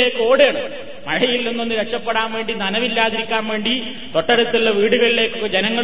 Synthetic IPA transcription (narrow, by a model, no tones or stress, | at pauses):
e̞ːkːɨo̞ːɽeːɳɐ | mɐɻɐjilːonːonːɨɾekt͡ɕːɐpːe̞ɽaːnʋe̞ːɳɖinɐnɐʋilːaːðiɾikʲːaːnʋe̞ːɳɖi | t̪o̞ʈːɐɽut̪ːilːɐʋiːɽuɣɐɭile̞ːkːɨkːɐd͡ʑenɐŋːɐɭ